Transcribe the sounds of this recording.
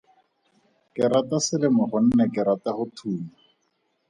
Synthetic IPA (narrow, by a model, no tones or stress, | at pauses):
kɪɾatasɪlɪmʊχʊn̩nɛkɪɾatahʊtʰuːna